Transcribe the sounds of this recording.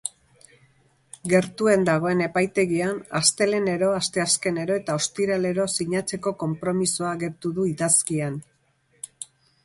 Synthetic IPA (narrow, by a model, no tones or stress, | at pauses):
ɡe̞ɾt̪ue̞nd̪aɣ̞o̞e̞ne̞pajt̪e̞ɣianast̪e̞le̞ne̞ɾo̞ast̪e̞aske̞ne̞ɾo̞e̞t̪ao̞st̪iɾale̞ɾo̞siɲat͡se̞ko̞ko̞mpɾo̞miso̞aɣe̞ɾt̪uðuiðaskian